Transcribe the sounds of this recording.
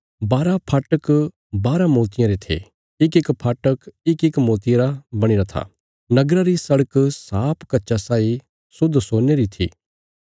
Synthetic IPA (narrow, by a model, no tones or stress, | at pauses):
baːɾapʰaːʈək | baːɾamoːt̪ɪjãɾet̪ʰḛ | ɪkɪkpʰaːʈəkɪkɪkmoːt̪ɪjɾabɐɽ̃iɾat̪ʰa̰ː | nɐɡɾaɾisɐɽəksaːpʰkɐtːʃasaːi | sʊd̪soːneɾit̪ʰḭː